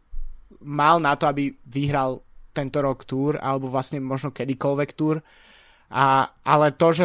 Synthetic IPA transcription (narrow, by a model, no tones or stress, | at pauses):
malnat̪ɔabiʋiɦɾalˠt̪ɛnt̪ɔɾɔkt̪uːɾa̰lɛbɔʋlasɲɛmɔʒnɔkɛd̪ikɔlʋɛkt̪uːɾ | ʔaʔalɛt̪ɔʒɛ